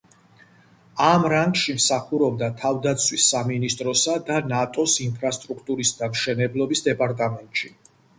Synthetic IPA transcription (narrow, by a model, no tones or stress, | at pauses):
amɾaŋɡʃimsaχuɾɔb̚d̪at̪ʰavd̪at̪sʰwisːaminist̪ʼɾɔsad̪anat̪ʼɔsinpʰɾast̪ʼɾukʰt̪ʼuɾisd̪amʃɛnɛblˠɔbisd̪ɛpʼaɾt̪ʼamɛnt̪ʼʃi